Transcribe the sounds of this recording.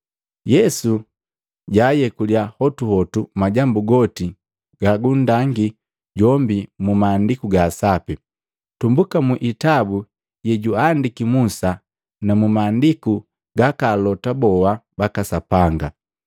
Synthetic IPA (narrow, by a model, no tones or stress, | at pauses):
jɛsu | ɟajɛkuljahɔtuhɔtumaɟambuɡɔti | ɡ̥aɡundaŋɡi | ɟɔmbimumaːndikuɡaːsapi | tumbukamuʔitabu | jɛɟuandikimusa | namumaːndiku | ɡakaːlɔtabɔwabakasapaŋɡa